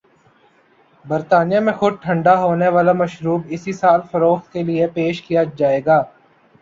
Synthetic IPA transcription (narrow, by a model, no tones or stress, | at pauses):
bəɾt̪aːnijãmẽxʊd̪̚ʈʰə̃ɳɖaɦoːneʋaːlamɐʃɾuːbɪsisaːlfɐɾoːxt̪̚keliepeːʃkijad͡ʒaːeːɡaː